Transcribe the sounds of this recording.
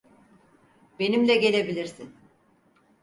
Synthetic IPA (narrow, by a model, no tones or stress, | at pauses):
be̞nimlʲɛɟe̞lʲe̞bilʲiɾsin